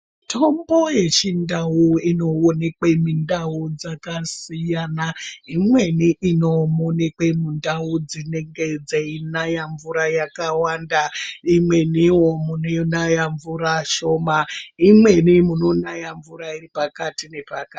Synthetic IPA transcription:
tʰombo̞je̞t͡ʃindawuino̞onekwe̞mindawud͡zakasijanaimwe̞niʔinomonekwe̞mundaud͡zine̞ŋɡed͡zeinajaɱvuɾajakawandaimwe̞niwomunenajaɱvuɾaʃo̞maimwe̞nimunonajaɱvuɾairipakatine̞paka

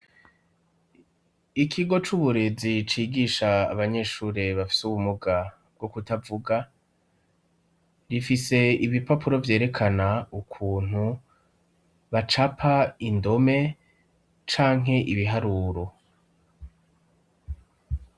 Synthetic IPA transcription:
ikʰiɡo̞t͡ʃuβuɾe̞zit͡ʃiːɡiːʃa̰ːβaɲe̞ːʃuːɾeβafi̥suβumuɡa | b̚ɡ̥okutavuɡa | ɾifise̞iβipapʰuɾo̞vje̞ːɾe̞kʰanaukʰuːn̥hu | βat͡ʃapʰaindo̞me̞ | t͡ʃaːŋ̥ɦe̞ʔiβiɦaɾuːɾo̞

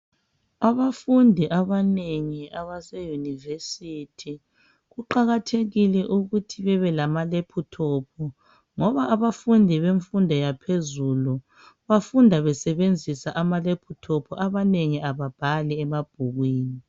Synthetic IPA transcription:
aβafundʱiʔaβaneŋiʔaβasejunivesitʰi | ɣuǃaɣatʰeɣilɛʔuɣutʰiβɛβɛlamalepʰutʰɔpʰɔ | ŋɔβaʔːβafundʱiβeɱfundʱɔjapʰezulu | βafundʱaβɛsɛβend͡zʱisaʔamalepʰutʰɔpʰɔʔaβaneŋiʔaβab̥ʱalɛɛmab̥̚ʱuɣwiːni

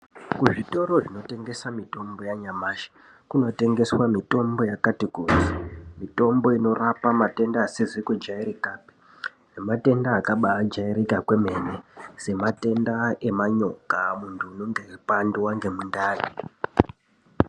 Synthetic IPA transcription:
kuʐito̞ɾo̞ʐino̞te̞ŋɡe̞samito̞mbo̞jaɲamaːʃḁ | kuno̞te̞ŋɡe̞swamito̞mbo̞jakatikuzimito̞mbo̞ino̞rapamate̞ndaːsizikwud͡ʒaiɾikaːpi̥ | nemate̞ndaːkaɓaːd͡ʒaiɾikakweme̞nese̞mate̞ndae̞maɲo̞kamuntʰuːnoŋɡepanduwaŋɡe̞mundaːni

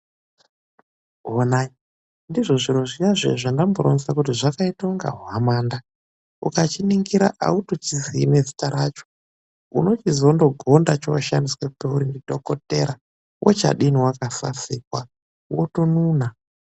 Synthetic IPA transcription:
onai | ndiʐo̞ʐiɾoʐijaʐḛʐandamboɾonsakutiʐakaitauŋɡa̰ɦuamaːnda | ṵkat͡ʃiniŋɡiɾa̰ʔa̰utot͡ʃiziːne̞zi̥taɾat͡ʃo̥ | ṵno̞t͡ʃizo̞ndo̞ɡʱo̞ndat͡ʃowaʃandiswepeuɾindiɗo̞ko̞te̞ɾa | wʔot͡ʃa̰ɗiniwakasa̰sik̚wa | wotonuːna

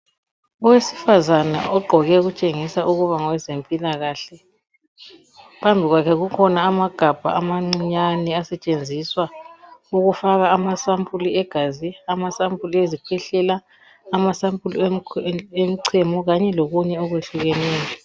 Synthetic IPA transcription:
ɔwesi̥fazana̰ʔɔɡ͡ǃʱɔɣɛɣut͡ʃʼeŋisaʔuɣuβaŋɔwɛzempʼilaɣaɬɛ | pʰambʱiɣwakʰɛɣukʰɔnaːmaɡ̥ʱab̥ʱa̰amaŋ͡ǀiɲanɛasɛt͡ʃʼend͡zʱiswauɣufaɣaːmasampʼuliɛɡ̥ʱaziamasampʰʼuliezikʰwɛɬɛlaː | masampʼuli | em̩ǀʰɛmɔɣaɲɛloɣuɲɛɔɣweɬuɣɛnɛːjɔ

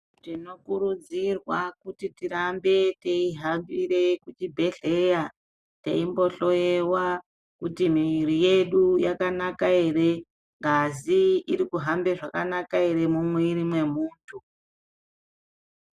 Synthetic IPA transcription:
tino̞kuɾud͡zirwakutitiɾambe̞teiɦambiɾe̞kut͡ʃibʱe̞ɬe̞ja | tḛimbo̞ɬo̞jewa | kutimirijeɗujakanakae̞re̞ | ŋɡaziiɾikuɦambeʐakanakae̞ɾe̞mumweiɾimwe̞muːntʰu

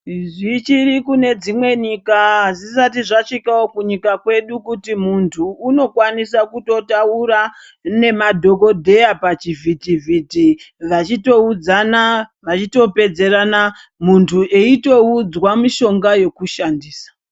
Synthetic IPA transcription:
ʐit͡ʃirikune̞d͡zimwe̞ɲikaɦazisatiʐat͡ʂikawokuɲikakwe̞ɗukutimuntʰuːno̞kwanisakuto̞tauɾa | ne̞madʱo̞ko̞dʱe̞apat͡ʃivʱitivʱiti | ʋat͡ʃito̞ud͡zanaʋat͡ʃito̞pe̞d͡ze̞rana | muntʰuʔe̞ito̞ud͡zwamiʃo̞ŋɡaje̞kuʃandiːsḁ

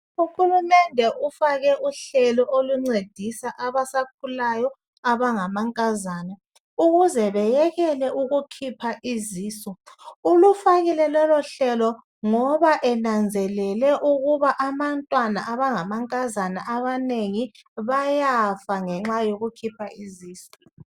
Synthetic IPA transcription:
uxulumɛndʱɛʔufaɣɛʔuɬɛlɔʔoluŋ͡ǀed̥ʱisaʔaβasak̚ʰulajɔ | aβaŋamaŋkʼazaːna | uɣuzɛβɛjɛɣɛlɛʔuɣukʰipʰaʔiziːsɔulufaɣilɛlɔlɔɬɛlɔ | ŋɔβaʔɛnand͡zʱɛlɛlɛʔuɣuβaʔamantʼwanaʔaβaŋamaŋkʼazanaʔaβaneŋi | βajafaŋɛŋ͡ǁajoɣukʰipʰaiziːsɔ̥

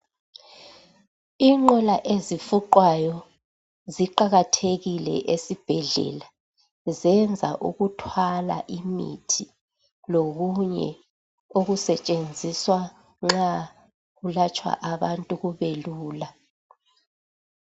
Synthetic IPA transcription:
iŋ͡ǁɔlaʔezifuǃwajɔ | ziǃaɣatʰeɣilɛ̰ʔesib̥ʱɛɮɛ̰la | zɛnd͡zʱa̰ʔuɣutʰwala̰ʔimḭtʰi | loɣuɲɛ̰ | oɣusɛt͡ʃʼend͡zʱiswa | ŋ͡ǁa | ɣulat͡ʃʼwa̰ʔaβantʼuɣuβeluːla

